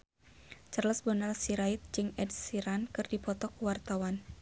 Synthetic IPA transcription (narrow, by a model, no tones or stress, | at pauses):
t͡ʃərləsbɔnalsiɾait̪̚d͡ʒɨŋɛdsiɾankɨrdipɔt̪ɔkuwart̪awan